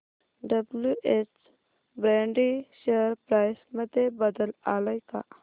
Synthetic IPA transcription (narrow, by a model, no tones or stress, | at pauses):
ɖɐbluʔet͡ʃ | bɾeːɳɖiʃeɾpɾaːsmɐt̪ebɐd̪əlaːlɐjka̰